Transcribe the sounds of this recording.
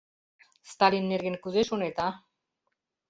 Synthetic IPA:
st̪alinːeɾɣenkuzeʃonet̪a

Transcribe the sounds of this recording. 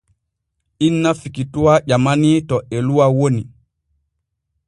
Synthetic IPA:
ʔinːafikituwaʄamanitɔʔɛluwawoni

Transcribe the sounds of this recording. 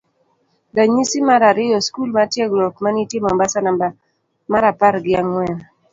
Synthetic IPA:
daɲisimaɾaɾɪɔskulmatjeɡlɔkmanitjemambasanamba | maɾapaɾɡɪaŋwɛn

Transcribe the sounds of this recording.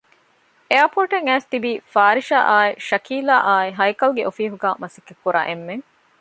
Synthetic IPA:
eɐpoːʈeŋæːst̪ibiːfaːɾiʃa̰ːʔaːiʃɐkiːlaːʔaːiɦɐjkɐlɡeʔofiːɦuɡaːmɐsekːekːuɾa̰ːʔemːeŋ

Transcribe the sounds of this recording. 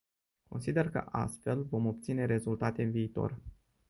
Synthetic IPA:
ko̞nsid̪e̞rkə̰ʔa̰st̪fe̞lvo̞mo̞p̚t̪sine̞ɾe̞zult̪at̪e̞ɨnviːt̪o̞̰r

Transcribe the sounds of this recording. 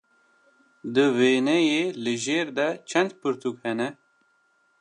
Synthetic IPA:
d̪ɨveːnɛjeːlɨʒeːɾd̪ɛt͡ʃʰɛnd̪pʰɨɾt̪ʰukhɛnɛ

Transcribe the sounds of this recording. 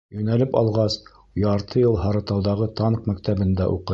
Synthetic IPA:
jɵ̆nælɘpɑ̰lˠʁɑs | jɑɾt̪ʰɤjɤlˠɦɑɾɤ̆t̪ɑwðɑʁɤt̪ɑɴqmækt̪æbɘ̆nd̪æʔuqɤ̆

